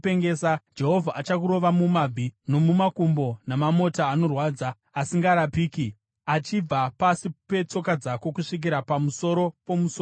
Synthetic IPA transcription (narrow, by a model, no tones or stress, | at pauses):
peŋɡeːsad͡ʒe̞ɦo̞vʱaʔat͡ʃakuɾo̞ʋamumabʱino̞mumakumbo̞namamo̞taːno̞rwaːd͡zaː | siŋɡaːɾapiːki | at͡ʃib͡vapasipe̞t͡so̞kad͡zako̞kuʂik̬iɾapamuso̞ɾo̞po̞muso